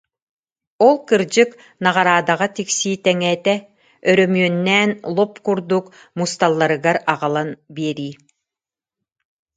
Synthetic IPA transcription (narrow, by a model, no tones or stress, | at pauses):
ɔlˠkɯɾd͡ʑɯk | naʁaɾaːd̪aʁat̪iksiːt̪ɛŋɛːt̪ɛ | œɾœmyœnːɛːnlˠɔpkuɾd̪uk | must̪alˠːaɾɯɡaɾaʁalˠanbiɛɾiː